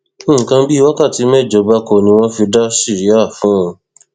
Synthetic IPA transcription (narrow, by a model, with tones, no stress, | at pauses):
kã˧˦bi˦˧wa˦ka˦˨ti˨˧˦mɛ˦˨d͡ʒɔ˨˧˦ba˦ko˧˨nĩ˧w̃ɔ̃˦fi˧da˦ʃi˦˨ɾi˨˦a˦˨fũ˨˦ũ˧